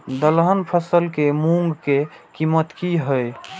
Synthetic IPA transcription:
d̪əlɦənpʰəsəlkemũŋɡkekimət̪kiɦəj

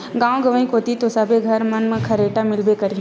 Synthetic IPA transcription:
ɡãːõɡɐʋə̃ĩkoːt̪it̪osabʱeɡʱɐɾmɐnmə̃kʰɐɾeːʈamɪlbekɐɾi

